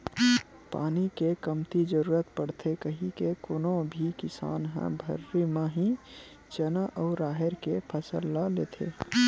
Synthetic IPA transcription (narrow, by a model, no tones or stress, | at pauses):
pa̰ːnikekəmt̪id͡ʒəɾuːɾət̪pəɽ̤t̪ʰekəɦĩkekoːnõbʱikɪsa̰ːnɦɛ̰̃bʱə̰ɾːimẽɦĩ | t͡ʃənaʔɔːɾaːɦeɾkepʰəsəlːalḛːt̪ʰḛ